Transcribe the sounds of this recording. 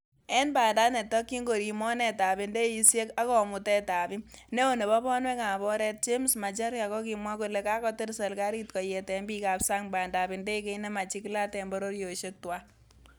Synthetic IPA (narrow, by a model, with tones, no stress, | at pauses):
ɛ˦nba˨nda˦nɛ˨tɔ˦kːi˦ŋɡo˨ɾi˨mɔ˦nɛ˦ta˨bi˨nde˦i˦sje˦ka˦kɔ˨mʊ˨tɛ˦ta˨bi˦ne˦o˦˨ne˨βɔ˦bɔ˦nwɛ˦ka˨bɔ˦ɾɛ˦t̚t͡ʃe˦msma˨t͡ʃa˦ɾja˨kɔ˦ki˨mwa˦ku˨le˨ka˦kɔ˦te˦ɾsa˨lka˦ɾi˦tkɔ˨je˨tɛ˨mbi˦kapsa˦ŋbaː˨nda˨bi˨nde˦ke˦ne˦ma˨t͡ʃi˦kla˦tɛ˨mbɔ˦ɾo˦ɾjo˨ʃe˦twa˦